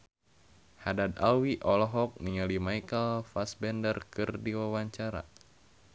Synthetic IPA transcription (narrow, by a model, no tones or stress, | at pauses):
hadad̪awiʔɔlɔɦɔk̚niŋalimajkəlfasbɛndərkɨrdiwawaɲt͡ʃaɾa̰